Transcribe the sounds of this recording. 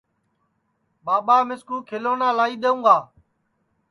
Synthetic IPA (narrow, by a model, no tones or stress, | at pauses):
ɓaːɓaːmɪskũːkʰɪloːnãːlaːiːɗ̪eːũːɡaː